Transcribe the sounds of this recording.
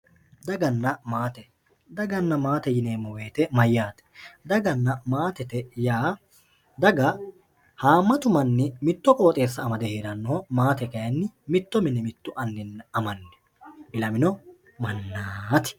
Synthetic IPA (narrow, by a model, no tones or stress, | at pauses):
d̪ɐɡɐnːɐmaːt̪ɛ | d̪ɐɡɐnːɐmaːt̪ɛjɪneːmɔwe̞ːt̪ɛmɐjːaːt̪ɛ̥d̪ɐɡɐnːɐmaːt̪ɛt̪ɛjaː | d̪ɐɡɐ | haːmːɐt̪ʊmɐnːɪmɪt̪ːɔkʼo̞ːt̪ʼe̞ːsːɐːmɐd̪ɛheːd̪ɐnːoːmaːt̪ɛkɐjɐnːɪmɪt̪ːɔmɪnɛmɪt̪ːʊʔɐnːɪnːɐmɐnːɛ̥ | bɪlɐmɪnɔ | mɐnːaːt̪ɪ̥